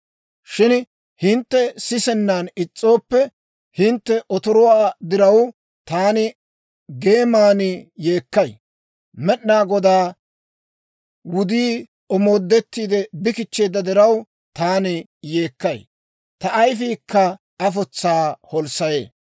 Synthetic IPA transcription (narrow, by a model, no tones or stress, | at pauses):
ʃɪn | hɪnt̪ːɛsɪsɛnːaːnɪt͡sʼːo̞ːpːɛ | hɪnt̪ːɛʔɔt̪ɔɾɔwaːd̪ɪɾɐw | t̪aːnɪ | ɡe̞ːmaːnɪjeːkːɐj | mɛɗnaːɡɔd̪aː | wʊd̪iː | ɔmo̞ːd̪ːɛt̪ːiːd̪ɛbɪkɪt͡ʃːeːd̪ɐd̪ɛɾɐw | t̪aːnɪ | jeːkːɐj | t̪ɐʔːjfiːkːɐ | ɐfɔt͡sːaːhɔlsɐjḛː